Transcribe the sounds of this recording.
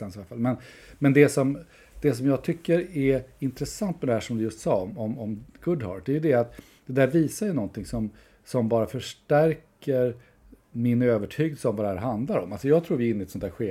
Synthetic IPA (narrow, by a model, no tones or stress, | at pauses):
ansʋafa̰lmɛnmɛnd̪ɛsɔm | d̪̥ɛs̬ɔmjɑːɡ̚t̪ʰʏkːəɾɛɪnt̪ɾɛsant̪mɛd̪ɛhæːʂɔmd̪ɵjɵst̪sɑːɔmɔmɔmɡ̥ɵd̪hɑ̰ːd̪ɛːjɵd̪ɛat̪ | d̪̥ɛd̪æːɾviːsajənɔnt̪ʰɪŋsɔm | sɔmbɑːɾafœʂʈæɾkəɾ | mɪnøːvəʈʰyːɡəlsəɔmvad̪ɛhæːɾɦand̪laɾɔmːalsɔjɑːɡt̪ʰɾuːɾvɪɪnːɪɛt̪sɔnt̪ʰæːɾɧeː